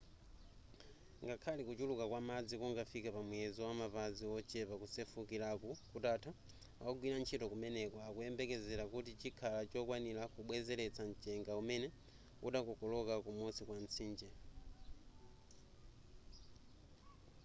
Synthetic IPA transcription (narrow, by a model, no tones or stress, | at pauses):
ŋɡakʰalikut͡ʃulukakwamad͡zikuŋɡafikapamwɛzɔwamapaziɔt͡ʃɛpakusɛfukilakukutatʰa | aɔɡwinant͡ʃʰitɔkumɛnɛkɔakuɛmbɛkɛzɛɾakutit͡ʃikʰalat͡ʃɔkwanilakuɓwɛzɛlɛt͡sʰant͡ʃɛŋɡaumɛnɛ | uɗakɔkɔlɔkakumɔsikwant͡sʰiːnd͡ʒɛ